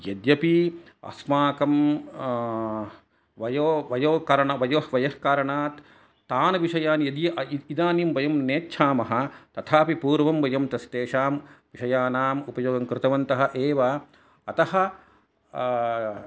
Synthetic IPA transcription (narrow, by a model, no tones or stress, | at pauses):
jɐd̪jɐpi | ɐ̰smaːkɐm | ʋɐjoːʋɐjoːkaːɾɐɳaʋɐjoːhʋɐjɐhkaːɾɐɳaːt̪ː | aːnɐʋiʃɐjaːnjɐd̪jɐʔid̪aːnimʋɐjɐmneːtːʃʰaːmɐɦɐ̆t̪ɐt̪ʰaːpipuːɾʋɐmʋɐjɐmt̪ɐst̪eːʃaːmʋiʃɐjaːnaːmupɐjoːɡɐmkɾɪt̪ɐʋɐnt̪ɐɦɐ̆ʔeːʋa | ɐt̪ɐhɐ̆